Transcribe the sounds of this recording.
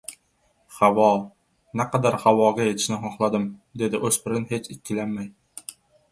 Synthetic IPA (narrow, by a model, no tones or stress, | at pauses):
hawɒ | naqʰɑd̪aɾhawɒɡʲaje̞t̪ʰɪ̥ʃnɪɦɒχlˠad̪ɪmd̪e̞d̪ɪʔɵz̥pʰɪɾɪnhe̞t͡ʃʰɪt̪̚kʲʰːɪlanmaj